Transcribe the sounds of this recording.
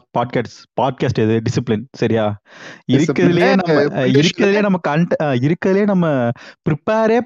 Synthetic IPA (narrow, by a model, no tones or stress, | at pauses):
paːɖ̚kaːʈspaːɖ̚kaːsʈɛðɯɖɪsɪplɪnsɐɾɪjaːɪɾɯkːɾɐðɪleːnɐmːɐɪɾɯkːɐðɪleːnɐmːɐkɐɳʈɪɾɯkːɐðɪljeːnɐmːɐpɾɪpeːɾeː